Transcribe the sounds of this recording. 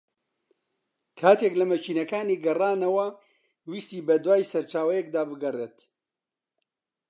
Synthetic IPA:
kʰaːt̪ʰeːklɐmɐt͡ʃiːnɐkaːniːɡɐraːnɐwɐ | wiːst̪iːbɐd̪waːjsɐɾt͡ʃaːwɐjɛk̚d̪aːbɨɡɐreːt̪

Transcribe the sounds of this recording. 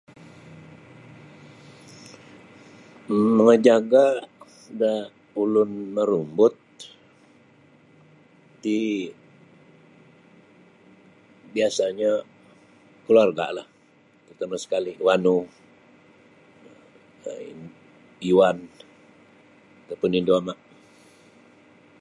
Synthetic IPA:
məŋəd͡ʒaɡa | da | ulʊnməɾumbʊt̪̚ | i | biasaɲa | kəluarɡa̰ʔlah | t̪ərt̪amasə̥kalɪhwanu | iuwan | t̪apʊninduamaʔ

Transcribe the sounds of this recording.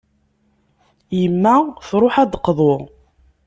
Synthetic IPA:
jəmːæfɾˤoħæd̪qːðˤoʁ

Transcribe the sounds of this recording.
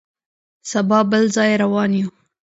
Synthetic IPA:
sabɑbəlzɑjeɾawɑnju

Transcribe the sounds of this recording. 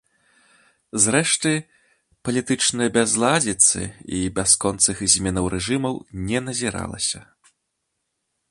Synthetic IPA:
zrɛʂt̪ɨ | pɐlʲit̪ɨt͡ʂnɨjɐbʲazlˠad͡zʲit̪sɨ̰ibʲaskɔnt̪sɨxzʲmʲɛnɐwɾʔɛʐɨmɐwnʲɛnɐzʲiɾa̰lˠɐ̰sʲɐ

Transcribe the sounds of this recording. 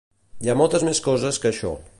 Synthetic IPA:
iamɔlˠt̪əzmeskɔzəskəːʃɔ̰

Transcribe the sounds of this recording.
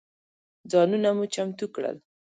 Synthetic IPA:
d͡zɑnunamut͡ʃamt̪ukɽə̰l

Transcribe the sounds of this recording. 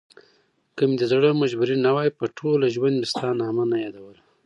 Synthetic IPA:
kəmd̪əzɽəmaʒbuɾinawɑjpəʈʰolaʒwand̪mist̪ɑnɑːmanajɑd̪awəla

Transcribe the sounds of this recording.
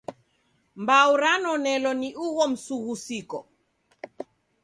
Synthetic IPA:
mbauɾanɔnɛlɔniʔuɣɔm̩suɣusikɔ

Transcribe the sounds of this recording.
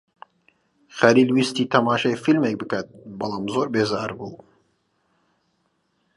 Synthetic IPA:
xæliːlwist̪iːt̪ʰɐmaːʃɛjfilmek̚bɨkɐt̪̚bɐlˠɑːmzoːɾbeːzɑːɾbuː

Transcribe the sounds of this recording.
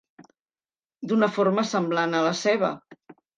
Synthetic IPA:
d̪unəfoɾməsəmblanələsɛβ̞ə̰

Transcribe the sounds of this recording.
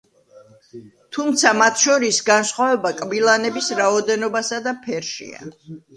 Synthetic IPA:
t̪ʰumt̪sʰamat̪ʰʃɔɾisɡansχwavɛbakʼbilˠanɛbisɾaɔd̪ɛnɔbasad̪apʰɛɾʃḭa̰

